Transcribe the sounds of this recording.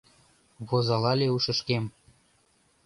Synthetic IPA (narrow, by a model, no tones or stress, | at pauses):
βozɑlɑlʲeuʃɤ̆ʃkem